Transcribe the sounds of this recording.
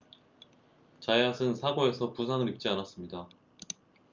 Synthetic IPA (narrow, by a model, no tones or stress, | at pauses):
t͡ɕajasʰɯnsʰaɡoe̞sʰʌpusʰaŋɯɾip̚t͡ɕ͈ianas͈ɯmɲida